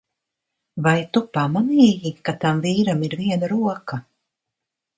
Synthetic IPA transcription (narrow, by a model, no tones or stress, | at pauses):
vajt̪upaːmaniːjikat̪amviːɾamiɾviɛnaɾuɔkɐ